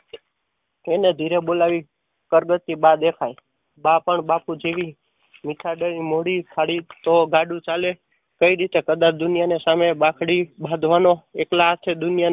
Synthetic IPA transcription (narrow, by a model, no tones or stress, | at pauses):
ened̪ʱiɾebolaʋi | kəɾɡət̪ːibad̪ekʰaj | bapəɳbapud͡ʒeʋi | mit̪ʰaɖəɾimoɽipʰaɽit̪oɡaɖũt͡ʃale | kəiɾit̪ekəd̪at͡ʃd̪ʊnijanesamebakʰɽibʱad̪ʱʋanoeklat͡ʃʰed̪ʊnjan